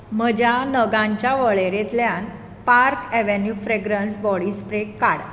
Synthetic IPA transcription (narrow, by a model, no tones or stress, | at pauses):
m̤əd͡ʑjanəɡãɲt͡ɕjaʋəɭeɾet̪ljãn | paɾkɛʋenjufɾeɡɾənsbɔɽispɾekːaɽ